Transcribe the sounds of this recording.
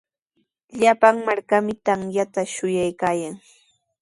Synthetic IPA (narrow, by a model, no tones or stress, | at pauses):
ʎapaŋmaɾkamɪt̪aŋjat̪aʃʊjajkaːjaŋ